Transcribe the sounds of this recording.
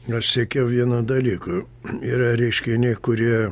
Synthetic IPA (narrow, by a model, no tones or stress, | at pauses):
ɐʃsʲikʲɛʊʋʲiɛnuːd̪ɐlʲiːkʊ | iːɾɐɾʲɛɪʃʲkʲɪnʲekʊɾʲiɛ